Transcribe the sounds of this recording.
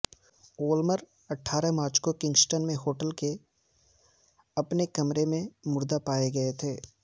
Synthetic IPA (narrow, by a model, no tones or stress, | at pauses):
oːlməɾ | ɐʈʰːaːɾəmaːɾt͡ʃkokɪ̃ŋɡsʈənmẽɦoːʈəlke | ɐpnekɐmɾemẽmʊɾd̪apaːeɡɐet̪ʰeː